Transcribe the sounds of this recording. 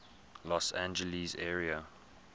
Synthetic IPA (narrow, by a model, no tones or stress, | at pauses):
lɔsãnd͡ʒəlizɛːɹiə